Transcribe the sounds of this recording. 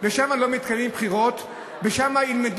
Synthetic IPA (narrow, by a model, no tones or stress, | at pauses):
veʃamalo̞mit̪kalimpχiʁo̞t̪ | veʃamailmed̪